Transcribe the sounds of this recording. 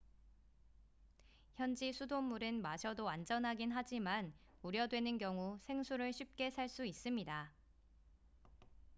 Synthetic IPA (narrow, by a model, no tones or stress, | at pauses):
çjʌnd͡ʑisʰudomːuɾɯnmaɕʰʌdoand͡ʑʌnɦaɡinɦad͡ʑiman | uɾjʌdwe̞nɯnkjʌŋusʰe̞ŋsʰuɾɯɭɕʰip̚k͈e̞sʰaɭs͈uis͈ɯmɲida